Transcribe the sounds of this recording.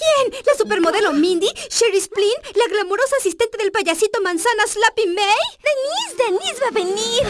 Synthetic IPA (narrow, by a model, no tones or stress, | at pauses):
kjenlasupe̞ɾmo̞ðe̞lomĩnd̪iʃeɾisplinlaɣlamo̞ɾo̞saːsist̪e̞nt̪e̞ðe̞lpaʝasit̪o̞mãnsanaslapimejd̪enisd̪enizbaβeniɾ